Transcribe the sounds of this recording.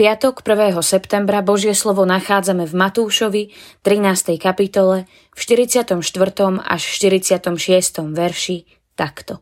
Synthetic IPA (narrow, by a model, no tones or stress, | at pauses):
pɪat̪ɔkpr̩ʋɛːɦɔsɛpt̪ɛmbɾabɔʒɪɛslɔʋɔnaxaːd͡zamɛvmat̪uːʃɔʋit̪ɾinaːst̪ɛjkapit̪ɔlɛ | fʃt̪iɾit͡sɪat̪ɔmʃt̪ʋr̩t̪ɔma̰ʃʃt̪iɾit͡sɪat̪ɔmʃɪɛst̪ɔmʋɛɾʃi | t̪akt̪ɔ